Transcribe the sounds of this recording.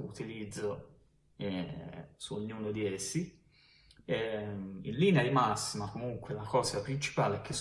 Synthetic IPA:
ut̪ilid̪zːo | ɛsuoɲːuːnod̪iesːi | ɛḭnliːnead̪imasːimakomuŋkwelakɔːzapɾint͡ʃi̥paːleɛkʰːes

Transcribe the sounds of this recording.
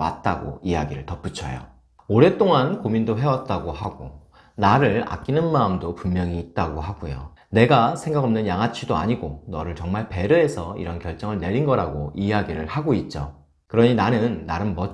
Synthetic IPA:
wa̰t̚t͈aɡo̰ijaɡiɾɯɭtʌp͈ut͡ɕʰʌ̰jo̰ | oɾe̞t͈oŋankomindoɦe̞wat̚t͈aɡohaɡo | naɾɯɭa̰k͈̚inɯnmaːmdopummjʌŋiːt̚t͈aɡoɦaɡujo̰ | ne̞ɡasʰe̞ŋɡaɡʌmnɯnjaŋɦat͡ɕʰidoa̰ɲiɡonʌɾɯɭt͡ɕʌŋmaɭpe̞ɾɯesʰʌḭɾʌnkjʌɭt͡ɕ͈ʌŋɯɭne̞ɾinɡʌɾaɡoijaɡiɾɯɭhaɡoit̚t͡ɕ͈o̰ | kɯɾʌɲinanɯnːaɾɯnmʌ

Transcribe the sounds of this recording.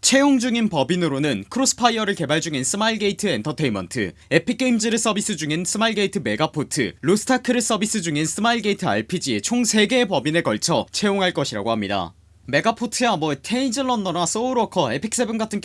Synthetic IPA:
t͡ɕʰe̞joŋd͡ʑuŋinpʌbinɯɾonɯnkʰɯɾos͈ʰɯ̥pʰaiʌɾɯɭke̞baɭd͡ʑuŋinsʰɯmaiɭɡe̞itʰɯe̞ntʰʌtʰe̞imʌ̰ntʰɯ̰e̞pʰik͈eimd͡ʑiɾɯs͈ʌbis͈ɯd͡ʑuŋinsʰɯmailɡeitʰɯme̞ɡapʰotʰɯ̰ɾosʰɯ̥tʰakʰɯɾɯs͈ʌbis͈ɯd͡ʑuŋinsʰɯmaiɭɡe̞itʰɯa̰ɭpʰid͡ʑiet͡ɕʰoŋsʰe̞ɡe̞pʌbinekʌɭt͡ɕʰʌt͡ɕʰe̞joŋɦaɭk͈ʌɕʰiɾa̰ɡoɦamɲida̰ | me̞ɡapʰotʰɯjamwʌtʰeind͡ʑɯnːʌndʌnas͈ʌuɾokʰʌe̞pʰik̚s͈ebɯnɡatʰɯnk

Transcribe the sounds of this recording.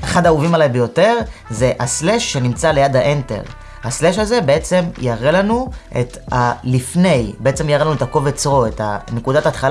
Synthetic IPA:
eχad̪auvimalajbejo̞te̞ʁze̞ʔasleʃːe̞nimt͡sale̞jad̪haʔente̞̰ʁ | hasleʃaze̞be̞e̞t͡se̞mjaʁelanuʔḛtalifne̞jbeet͡se̞mjaʁelanuetako̞vet͡sʁo̞e̞ta̰ne̞kudatat̪χal

